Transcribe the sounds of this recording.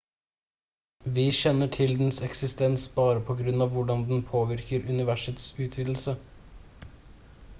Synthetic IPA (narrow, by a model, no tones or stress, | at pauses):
ʋiːʃɛnːəʈʰɪld̪n̩sɛksɪst̪ɛnsbɑːɾəpʰɔɡɾʉnɑːʋʋʊɖɑnd̪n̩pʰoːʋɪɾkəɾʉnɪʋæʂət̪sʉːt̪ʰʋɪd̪l̩sə